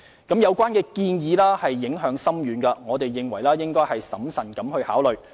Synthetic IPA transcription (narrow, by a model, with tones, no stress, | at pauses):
kɐ˨˥mjɐ˨˧wkʷaː˥nkɛː˧kiː˧njiː˨˧laː˥hɐ˨jːɪ˨˥ŋɦœː˨˥ŋsɐ˥mjyː˨˧nkɐ˧ŋɔː˨˧t̪e˨jːɪ˨ŋwɐ˨˩jlaː˥jɪ˥ŋkɔː˥jhɐ˨jsɐ˨˥msɐ˨˩nkɐ˨˥mhɵ˧ha̰ː˨˥wlɵ˨ɥ